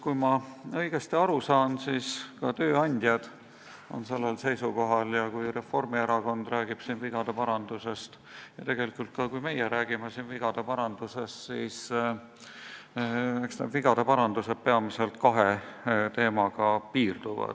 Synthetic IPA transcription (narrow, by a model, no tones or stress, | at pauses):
kujmɑɤ̞iɡ̥e̞st̪iɑɾusɑːnsiːskɑt̪ø̞ːɑnʲd̪̥ʲjɑd̪̥ | o̞̰nse̞lːelse̞jsuko̞ɦɑljɑkujre̞fo̞rmieɾɑko̞nd̪̥ræːɡ̥ib̥sinviɡ̥ɑd̪epɑɾɑnd̪use̞st̪ | jɑt̪e̞ɡ̥e̞likːˑult̪̚kɑkujme̞jeɾæːɡ̥imesiːnviɡ̥ɑd̪̥epɑɾɑnd̪̥use̞st̪siːs | eksned̪viɡ̥ɑd̪̥epɑɾɑnd̪̥use̞d̪̥̚pe̞ɑmise̞lt̪kɑɦe̞t̪e̞ːmɑɡ̥ɑpiːrd̪uvɑ̰d̪̥